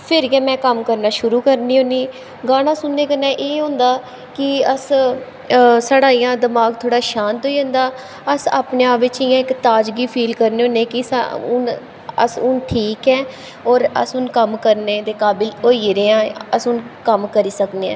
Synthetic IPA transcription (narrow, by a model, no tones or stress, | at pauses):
pʰɪɾɡɛ̃ːmɛ̃ːkəmkəɾnaːʃʊɾuːkəɾniːɦõːniː | ɡaːñãːsʊnːẽːkənẽːʔeːɦõːnd̪aː | kɪəs | saːɽaːiːãːd̪əmaːɡ̚t̪ʰoːɽaːʃaːnt̪oːiːə̃ːnd̪aː | əsa̰ːpnẽaːpʋɪt͡ʃɪjãːɪkt̪aːd͡ʒɡiːpʰiːlkəɾneːõːneːkɪsaʊn | ə̰sʊnʈʰiːkɛː | ɔːɾə̰sʊnkəmkəɾneːd̪eːkaːbɪloːiːɾeːãːəsʊnkəmkəɾiːsəkneːɛ̰̃ː